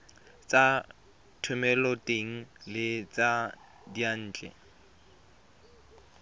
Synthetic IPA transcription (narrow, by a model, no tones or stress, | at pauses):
t͡sa | tʰʊmɛlɔtʼeŋ̩lɪt͡sa | dian̩ːt͡ɬʼɛ̰